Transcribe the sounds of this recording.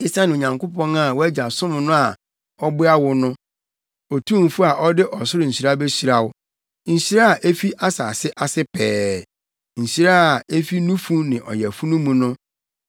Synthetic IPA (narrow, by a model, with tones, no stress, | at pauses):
i˦sa˦nɪ̃˨o˨ɲã˨ŋkʊ˦pʰɔ̃˦na˨wɔ˦æ˦d͡ʑa˨sʊ̃˦m˨nʊ̃˦a˨ | ɔ˦bʊ˦a˦wʊ˦nʊ̃˦ | ɔ˨tʰũ˦m̩˨fʊ˦a˨ʔɔ˦dɪ˦ʔɔ˨sʊ˦ɾʊ˨ɲ̩˨ɕi˨ɾa˦be˦ɕi˦ɾa˨wʊ˦ | ɲ̩˨ɕi˦ɾa˦a˨ʔe˦fi˦ʔa˦sa̰ː˨sɪ˦ʔa˨sɪ˦pʰɛː˦ | ɲ̩˨ɕi˦ɾa˦˨e˦fi˦nũ˦fũ˦nɪ̃˨ʔɔ̰˨jɛ˨fu˦nũ˦mũ˨nʊ̃˦